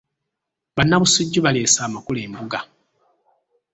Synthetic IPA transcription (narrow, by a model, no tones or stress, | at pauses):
βanːaβusuɟːuβale̞ːsaːmakuleːmbuɡa